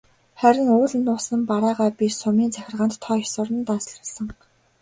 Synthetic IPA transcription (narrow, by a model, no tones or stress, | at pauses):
χæɾʲɪ̆ŋʊːɮ̆nːʊːsə̆mpaɾaːʁaːpʲisʊmiːnt͡sʰæxʲɪ̆rʁăːnt̪ʰːɔːsʊɾə̆nt̪aːsɮə̆ɮsə̆ŋ